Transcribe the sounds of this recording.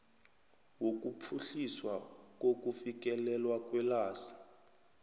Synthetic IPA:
wok̬ʼupʰuɬiswak̬ʼok̬ʼufik̬ʼɛlɛlwak̬ʼwɛlaːsḁ

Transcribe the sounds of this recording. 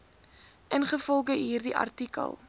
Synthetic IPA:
ʔənχəfɔlˠɡəɦiːrdiʔɐ̰rtikə̰lˠ

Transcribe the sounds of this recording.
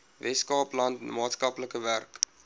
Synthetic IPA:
vɛskɑːplɐntmɑːtskɐpləkəværk

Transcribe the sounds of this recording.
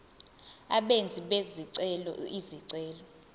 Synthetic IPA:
a̰ɓend͡zʱiɓeziǀɛlɔ̰iziǀɛːlɔ

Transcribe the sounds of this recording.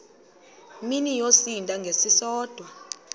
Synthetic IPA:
minijosintʼaŋɡʱesisɔːd̥ʱwa

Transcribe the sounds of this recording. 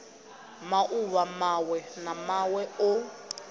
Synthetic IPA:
maʔuwamawɛnamawɛʊ

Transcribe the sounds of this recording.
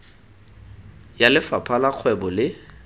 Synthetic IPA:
jalɪfapʰalak͡xʰwɛbɔlɪ

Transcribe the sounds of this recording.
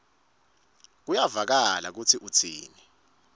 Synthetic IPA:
k̬ujavak̬ala̰k̬ut͡sʰiʔut͡sʰḭːni

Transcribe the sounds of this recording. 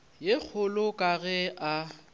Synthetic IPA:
jek͡xʰʊlʊkʼaɣɛʔa

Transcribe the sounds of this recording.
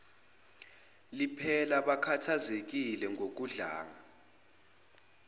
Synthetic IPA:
lipʰɛlaɓakʰatʰazek̬ilɛŋɡʱok̬uɮaːŋa

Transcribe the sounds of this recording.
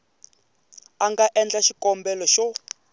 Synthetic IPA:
aŋɡaʔɛnd͡ɮaʃikɔmbɛlɔʃɔ

